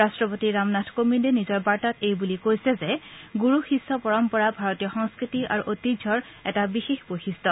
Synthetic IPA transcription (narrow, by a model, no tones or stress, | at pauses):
ɹastɹɔpotiɹamnatʰkomindɛnizɔɹbaɹtatejbulikojsɛzɛɡuɹuxisːɔpɔɹɔmpɔɹabʱaɹɔtijɔxɔŋskɹitia̰ɹuʔotidʱɔɹ | ɛtabixexbojxisɔ